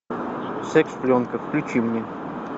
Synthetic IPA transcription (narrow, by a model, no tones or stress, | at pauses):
sɛksflʲonkəfklʲʉt͡ɕimnʲɛ